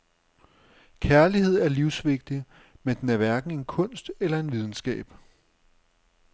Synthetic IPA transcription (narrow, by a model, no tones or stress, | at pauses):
kʰæɐlihe̝ð̞̰ˠæɐliʊsʋe̝ɡ̥̚d̥i | mend̥enæɐʋæɐɡ̥n̩e̝nkʰɔ̽n̰sd̥elɐe̝nʋið̞ˠn̩sɡ̥ɛ̰ːb̥